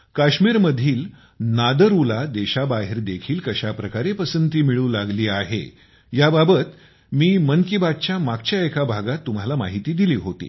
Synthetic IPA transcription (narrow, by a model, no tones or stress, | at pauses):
kaɕmiːɾməd̪ʱiːl | nad̪əɾulad̪eɕabaɦiɾd̪ekʰiːlkəɕapɾəkaɾepəsənt̪iːmiɭũːlaɡliːaɦḛ | jababət̪ | miːmənkibad̪̚t͡ɕjamaɡt͡ɕjaekʰabʱaɡat̪ːum̤alama̰ɦit̪iːd̪iliːɦot̪ḭː